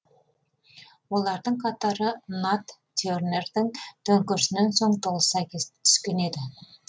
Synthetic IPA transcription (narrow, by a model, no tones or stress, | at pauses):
wo̞lˠɑɾd̪əɴqʰɑt̪ɑɾənat̪ːeorne̞rd̪ɪŋt̪ʰɵŋkʲʏɾʃɪne̞nso̞ɴt̪ʰo̞lˠəsɑkʲʰest̪ʰʏ̥skʲe̞ne̞d̪ɪ